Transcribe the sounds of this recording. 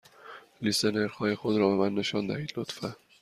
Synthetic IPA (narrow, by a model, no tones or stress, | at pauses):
liseneɾxɒːjexod̪ɾɒːbemænːe̞ʃɒːnd̪æ̰hiːd̪lot̪fæ